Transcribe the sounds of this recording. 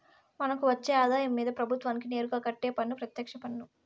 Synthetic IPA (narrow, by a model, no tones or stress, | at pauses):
mɐnɐkuʋɐt͡ʃːeːɐːd̪aːjɐmːiːd̪ɐpɾɐbʱut̪ʋaːnik̬ine̞ːɾukaːkɐʈːe̞ːpɐnːupɾɐt̪jɐkʂɐpɐnːu